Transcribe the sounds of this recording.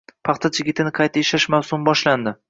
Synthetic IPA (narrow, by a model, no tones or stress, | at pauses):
pʰɑχt̪ʰat͡ʃʰɪɡʲɪt̪ʰɪnɪqʰɑjt̪ʰaeʃaɪʃmawsʊmbɒʃland̪ɪ